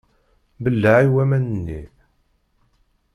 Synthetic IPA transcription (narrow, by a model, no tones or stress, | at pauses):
bəlːaʕiwæmænənːḭ